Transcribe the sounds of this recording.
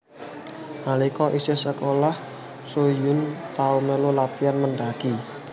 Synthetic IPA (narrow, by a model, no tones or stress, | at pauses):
malikɔʔisisəkolah | sojʊnt̪aumelolat̪ianməɳɖaki